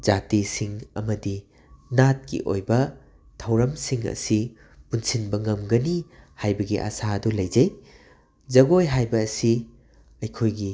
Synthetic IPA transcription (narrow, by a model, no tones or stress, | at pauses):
d͡ʒatisiŋɐ̰mɐdi | nat̚kḭʔo̰jbɐ | tʰɐwɾɐmsiŋɐ̰si | punsinbɐŋɐmɡɐnihajbɐɡiʔɐ̰saɐdulɐjd͡ʒɐj | d͡ʒɐɡojɦajbɐːsi | ɐjkʰojɡi